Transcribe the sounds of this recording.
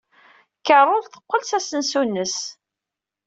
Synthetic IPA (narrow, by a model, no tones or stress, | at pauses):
kərˤːʊlθə̥qːəlsæsənsunːəs